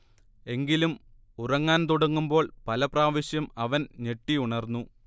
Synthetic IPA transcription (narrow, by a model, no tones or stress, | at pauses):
e̞ŋɡilum | urɐŋːaːnt̪uɽɐŋːumbo̞ːɭpɐlɐpraːʋɐɕjɐmɐʋɐnɲe̞ʈːiuɳɐrnːu